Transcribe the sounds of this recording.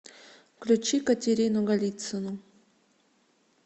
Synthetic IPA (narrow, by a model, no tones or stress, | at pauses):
klʲut͡ɕikɐtʲeɾʲinuɡɐlʲit̪sɨnu